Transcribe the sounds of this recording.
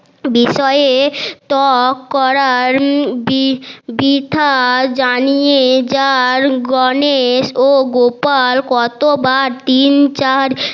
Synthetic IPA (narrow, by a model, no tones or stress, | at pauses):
biʃɔet̪ɔkːɔɾaɾbbit̪ʰad͡ʑanijed͡ʑaɾɡɔneʃoɡopalkɔt̪obaɾt̪int͡ɕaɾ